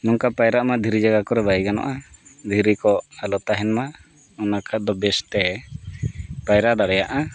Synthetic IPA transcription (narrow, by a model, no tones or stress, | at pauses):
mɔŋkapajɾaʔmad̪ʱiɾid͡ʒaɡakɔɾɛbajɡanɔ̰ʔad̪ʱiɾikɔalɔt̪aɦɛnma | ɔnakʰat̪̚d̪ɔbɛst̪ɛ | pajɾaʔɖaɽɛjaʔa